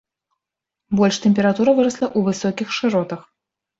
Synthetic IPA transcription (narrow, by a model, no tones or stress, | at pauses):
bɔlʲʂt̪ɛmʲpʲɛɾat̪uɾɐvɨɾɐslˠɐʔuvɨsɔkʲixʂɨɾɔt̪ɐx